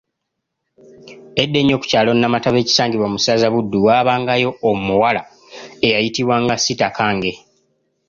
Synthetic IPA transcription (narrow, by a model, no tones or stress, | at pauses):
e̞dːe̞ɲo̞ːku̥caːlo̞nnːamataβe̞ːci̥saːŋɟiβwamusaːzaβudːuwaːβaːŋɡajo̞ːmuwala | e̞jajitiβwaŋɡasitakʰaːŋɡe̞